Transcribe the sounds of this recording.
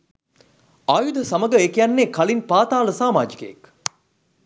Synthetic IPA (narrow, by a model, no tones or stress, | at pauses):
aːjud̪ʱəsɐməɡəekejanːeːkɐlinpaːt̪aːləsaːmaːd͡ʒikəḛk